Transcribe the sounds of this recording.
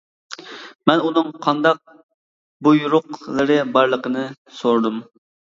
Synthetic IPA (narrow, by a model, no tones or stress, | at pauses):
mɛnunɨŋqʰɑnd̪ɑq̚ | bujuɾʊqlˠɨɾɨbɑɾlˠəqənɨ | soɾd̪um